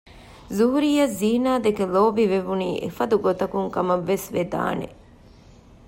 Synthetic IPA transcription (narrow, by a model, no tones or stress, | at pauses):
zuɦuɾiːɐziːnaːd̪eɡeloːbiʋeʋunḭːʔḛfɐd̪uɡot̪ɐkuŋkɐmɐʋːesʋed̪a̰ːnḛ